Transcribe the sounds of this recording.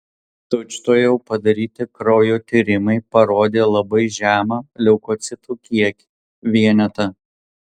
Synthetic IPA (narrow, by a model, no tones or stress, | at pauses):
t̪ot͡ʃʲt̪oːjɛʊpɐd̪ɐɾʲiːt̪ʲɪkɾɔːjoːt̪ʲiːɾʲɪmɐɪpɐɾoːd̪ʲeːlˠɐbɐɪʒʲæːmɐlʲɛʊkɔːt̪sʲɪt̪uːkʲiɛkʲɪ̥ | ʋʲiɛnʲɛt̪ɐ